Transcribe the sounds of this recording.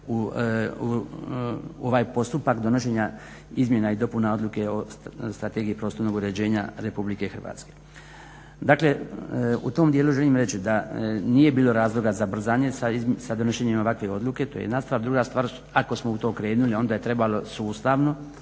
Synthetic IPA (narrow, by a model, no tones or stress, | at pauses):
u | oʋaːjpo̞st̪upakd̪o̞noʃe̞ːɲa | izmje̞naid̪o̞punao̞d̪lˠuke̞o̞st̪ɾat̪e̞ːɡiipɾo̞ːst̪oɾno̞ɡuɾe̞d͡ʑe̞ːɲaɾe̞publike̞xr̩ʋa̰ːt̪ske̞̥ | d̪akle̞ṵt̪o̞ːmd̪jeluʒe̞liːmɾe̞t͡ɕid̪anije̞biːlo̞ɾaːzlo̞ɡazabr̩zaːɲe̞saisad̪o̞noʃeɲimo̞ʋakʋe̞o̞d̪lˠuke̞t̪o̞j̰jed̪nast̪ʋaːɾd̪ɾuɡast̪ʋaːɾ | ako̞smout̪okɾe̞ːnulio̞nd̪aːje̞t̪ɾe̞balo̞suːst̪aʋno̞